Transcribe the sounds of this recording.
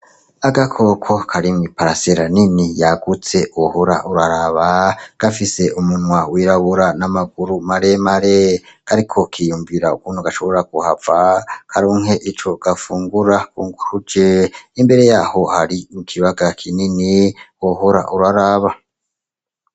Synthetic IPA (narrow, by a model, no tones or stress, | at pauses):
aɡakʰo̞kʰokʰaɾimwipaɾaseɾaninijaɡut͡se̞ʔuhoɾa̰ʔuɾaɾaβaɡ̥afise̞ʔumunŋwawiɾaβuɾanamaɡuɾumaɾemaɾekaɾikʰo̞kʰijuːɱviɾaukuːnhuɡaʃo̞βo̞ɾaɡuhavakʰaɾoːŋ̥ɦe̞ʔit͡ʃo̞ɡ̥afuːŋɡuɾakuŋɡuhud͡ʒeimbe̞ɾe̞jaːho̞haɾimukʰiβaɡakʰininiwohoɾa̰ʔuɾaɾaβa